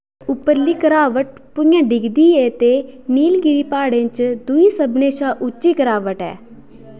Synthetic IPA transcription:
ʊpəlːiːkəɾaːʋəʈpʊjãːɖɪɡd̪iːeːt̪eːniːlɡɪɾiːpaːɽẽːt͡ʃd̪ʊiːsəbneːʃaːʔʊt͡ʃːiːkəɾaːʋəʈɛ̰ː

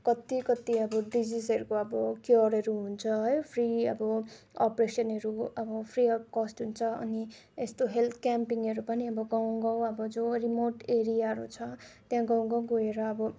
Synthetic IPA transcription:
kʌt̪ikʌt̪iʌbʌɖid͡zisʌɾukoʌbʌkjoɾʌɾuɦunt͡sʰʌɦʌjpʰriʌbʌʌpresʌnɦʌɾuʌbʌpʰriʌkʌsʈɦunt͡sʰʌʌ̰niest̪oɦelt̪ʰkampiŋʌɾupʌniʌbʌɡawɡʌwʌbʌd͡zorimoʈeɾijaɾut͡sʰʌt̪jãɡʌw̃ɡʌwɡoeɾʌːbʌ

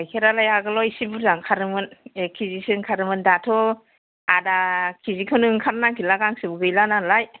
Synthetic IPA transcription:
jkʰeɾalajaɡɯlɔjsibuzaŋkʰaɾɯmɯnekʰizisiŋkʰaɾɯmɯndatʰɔ | adakʰizikʰɯnɯŋkʰaɾnakilaɡaŋsibuɡɯjlanalaj

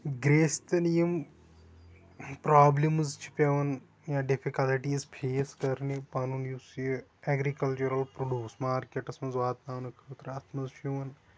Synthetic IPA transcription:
ɡɾeːst̪ɐnijim | pɾaːblimzt͡ʃʰi̥pʲɐʋɐn | jaɖifʰikɐliʈiːzpʰeːskɐɾnipaːnunjisjɛɡɾikɐlt͡ʃuɾɐlpɾoɖjuːsmaːɾkeʈɐsmɐzʋaːt̪naːʋnɨkʰɐt̪ɾɐt̪ʰmɐzt͡ʃʰiʋɐn

